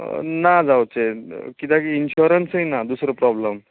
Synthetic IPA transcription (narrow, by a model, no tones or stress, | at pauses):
nad͡zawt͡ɕekit̪akinɕuɾənsəjnad̪usɾəpɾɔbləm